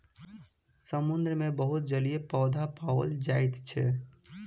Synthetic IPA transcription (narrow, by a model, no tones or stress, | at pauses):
səmʊnd̪ɾəmẽbəɦʊt̪̚d͡ʒəlijepɔːd̪ʱapaəld͡ʒaːɪt̪t͡ʃʰɛ